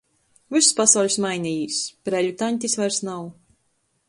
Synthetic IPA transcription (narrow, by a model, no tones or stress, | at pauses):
vɨsspasawlʲusmajnijispɾɛʎʲut̪anʲt̪ʲisvajɾsnaw